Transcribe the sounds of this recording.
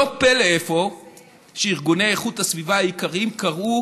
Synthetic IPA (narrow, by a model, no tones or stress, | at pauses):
opeleefo̞ | ʃeiʁɡuneeχuthasvivaajikaʁimkaʁu